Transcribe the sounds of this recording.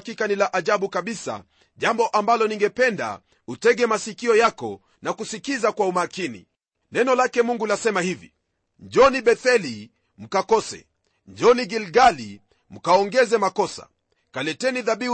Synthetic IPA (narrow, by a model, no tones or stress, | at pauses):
kikanilaʔaʄaɓukaɓisa̰ | ʄambɔʔambalɔniŋɡɛpɛnda̰ | utɛɡɛmasikiɔjakɔ | nakusikizakwaumakinḭ | nɛnɔlakɛmuŋɡulasɛmahivḭ | ɲd͡ʒɔniɓɛθɛli | m̩kakɔsɛ̰ | ɲd͡ʒɔniɡilɡali | m̩kaɔŋɡɛzɛmakɔsa̰ | kalɛtɛniðaɓi